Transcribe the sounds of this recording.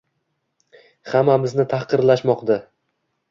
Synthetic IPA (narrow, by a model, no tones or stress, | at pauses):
hamːamɪznɪt̪ʰahqɨɾlaʃmɒqd̪a